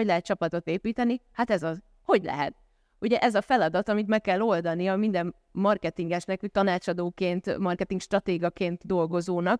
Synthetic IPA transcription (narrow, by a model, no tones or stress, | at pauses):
oɟlɛɦɛt̪̚t͡ʃɒpɒt̪o̞t̪eːpiːt̪ɛnihat̪ɛzɒz | ho̞ɟlɛ̰ɦɛ̰t̪̚ | uɟɛʔɛzɒfɛlɒd̪ɒt̪ɒmit̪mɛkːɛlːo̞ld̪ɒniɒmind̪ɛmː | ɒrkɛt̪iŋɡɛʃnɛkut̪ɒnaːt͡ʃɒd̪oːkeːnt̪mɒrkɛt̪iŋkʃt̪rɒt̪eːɡɒkeːnt̪d̪o̞lɡo̞zoːnɒk